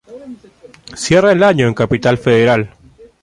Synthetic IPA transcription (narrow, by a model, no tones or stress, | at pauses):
sje̞raelaɲoeŋkapit̪alfeðe̞ɾal